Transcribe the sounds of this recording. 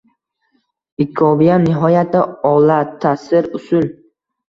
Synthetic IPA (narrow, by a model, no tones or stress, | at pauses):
ɪkʰːɒvijanɪɦɒjat̪ʰɪɒlat̪ʰːasɪɾʊsʊl